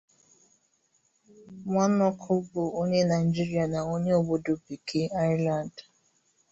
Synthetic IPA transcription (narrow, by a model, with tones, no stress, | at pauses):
ŋʷa˦nɔ˦kʰʊ˦bo˨o˦ɲe˦na˨ɪ˨i˨d͡ʒi˦ɾi˦a˨na˨o˦ɲe˦o˨bo˦do˨pi˨kʰe˦a˦ɪ˦la˨nd